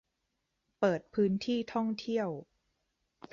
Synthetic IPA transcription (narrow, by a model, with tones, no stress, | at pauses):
pɤː˨˩t̪̚pʰɯː˦˥nt̪ʰiː˥˩t̪ʰɔ˥˩ŋt̪ʰi˥˩əw